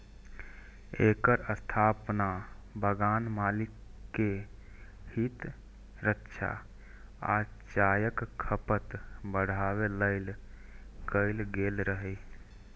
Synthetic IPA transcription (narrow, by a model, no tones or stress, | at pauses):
ekəɾəst̪ʰaːpnabəɡaːnmaːlikːe | hit̪ | ɾətːʃʰa̰ | a̰t͡ʃaːjəkkʰːəpət̪bəɽ̤aweləɪl | kəɪlɡelɾəɦɛ